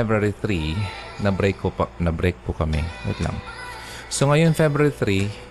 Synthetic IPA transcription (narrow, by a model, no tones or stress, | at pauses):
ɛbɾaɾiθɾinɐbɾɛjkʰːopɐnɐbɾɛjk̚pʊkɐmɛ̰ɛ̰t̪la̰ŋ | soŋɐjonfɛbɾaɾiθɾi